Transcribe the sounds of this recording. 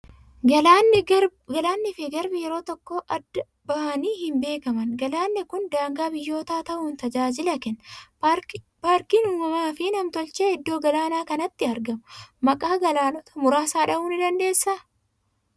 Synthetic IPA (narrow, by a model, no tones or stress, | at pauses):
nɡɐlaːnːɪfɪɡɐɾbɪjɛɾo̞ːt̪ɔkːoːʔɐd̪ːɐ | bɐhɐniːhɪmbe̞ːkɐmɐnɡɐlaːnːɛkʊnd̪aːŋɡaːbɪjːo̞ːt̪aːt̪ɐʔʊːnt̪ɐd͡ʒaːd͡ʒɪlɐkɛn | paːɾkiːnuːmɐmaːfɪnɐmt̪ɔlt͡ʃeːɪd̪ːo̞ːɡɐlaːnaːkɐnɐt̪ːɪɐɾɡɐmʊmɐkʼaːɡɐlaːnɔt̪ɐmʊɾaːsaːᶑɐuːnɪd̪ɐnd̪e̞ːsːaː